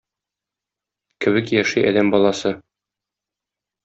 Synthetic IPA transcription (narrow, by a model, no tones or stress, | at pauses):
kɘ̆βɘkjæʃɘʔæ̰læmbɒlˠɑsɤ